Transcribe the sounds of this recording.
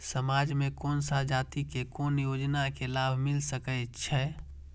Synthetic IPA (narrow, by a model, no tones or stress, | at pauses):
səmaːd͡ʒmẽkɔːnsad͡ʒaːt̪ikekoːnjoːd͡ʒnakelaːbʱmɪlsəkət͡ʃʰɛ